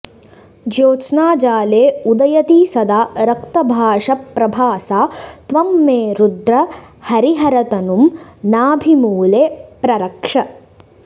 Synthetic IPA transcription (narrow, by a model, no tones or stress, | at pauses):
d͡ʒoːt͡ʃnaːd͡ʒaːleːud̪ɐjɐt̪isɐd̪aːɾɐkt̪ɐbʱaːʂɐpːɾɐbʱaːsaːt̪ʋɐmːeːɾud̪ɾɐhɐɾiɦɐɾɐt̪ɐnumnaːbʱimuːleːpɾɐɾɐkʂɐ